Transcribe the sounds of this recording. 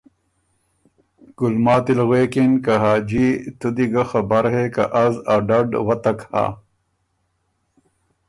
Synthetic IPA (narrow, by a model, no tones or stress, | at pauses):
ɡ̥ulmaːt̪ilɣweːkinkaɦaːd͡ʑit̪ud̪iɡɐxɐbɐɾɦeka̰ʔazaɖɐɖwɐt̪ɐkha̰ː